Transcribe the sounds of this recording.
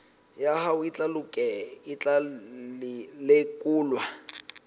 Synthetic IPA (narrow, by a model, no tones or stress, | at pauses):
jahaʊit͡ɬʼalukʼɛit͡ɬa | lekʼuːlwa